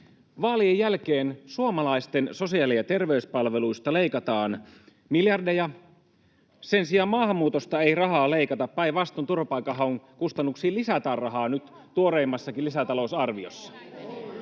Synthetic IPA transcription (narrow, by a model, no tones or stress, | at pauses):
ʋɑːliejjːælkeːnsuomɑlɑist̪enso̞siɑliɑt̪e̞rʋeyspɑlʋeluist̪ɑle̞ikɑt̪ɑːn | miljɑrdejɑ | sensiɑːmɑːhɑmːuːt̪ost̪ɑeirɑɦɑːleikɑt̪ɑppæiʋɑst̪ont̪urʋɑpɑikːɑɦɑoŋkust̪ɑnːuksiːlisæt̪æːrrɑɦɑːnyt̪ | t̪uoɾeimːɑsːɑkilisæt̪ɑlousɑrʋio̰sːɑ̥